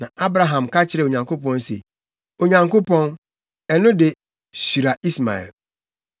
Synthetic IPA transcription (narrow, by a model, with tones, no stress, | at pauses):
nã˨ʔa˦bɾa˨ɦã˨mka˦t͡ɕʰɪ˦ɾɛ˨o˨ɲã˨ŋko˦pɔ̃˦n˦sḛ˨ | o˨ɲã˨ŋko˦pɔ̃˦n | ɛ˨nʊ̃˦de˨ | ɕi˨ɾa˨i˦sma̰˨ɛ̰˨l